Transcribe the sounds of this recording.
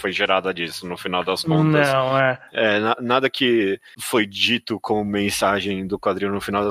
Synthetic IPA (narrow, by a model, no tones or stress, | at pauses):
fojʒeɾad̪ɐd͡ʒisʊnʊfinawd̪ɐskõt̪ɐɐ̃w̃ɛɛnanad̪ɐkɪ | fojd͡ʒit̪ʊkʰõʊmẽsaʒẽj̃d̪ʊkwad̪ɾĩɲʊnʊfinawd̪ɐ